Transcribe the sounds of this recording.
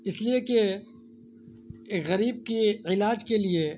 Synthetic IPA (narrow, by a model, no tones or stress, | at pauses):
ɪslieke | kɣɐɾiːb̚kiɪlaːd͡ʒkelie